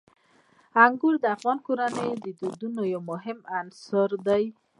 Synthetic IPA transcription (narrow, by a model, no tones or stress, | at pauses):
aŋɡuɾd̪afɣɔnkuɾanejd̪id̪ud̪unojomoɦɪmansɔɾd̪aj